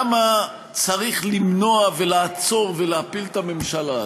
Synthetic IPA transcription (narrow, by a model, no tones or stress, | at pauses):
ma | t͡saʁiχlimno̞ave̞laːt͡so̞ʁveleapilt̪ame̞mʃala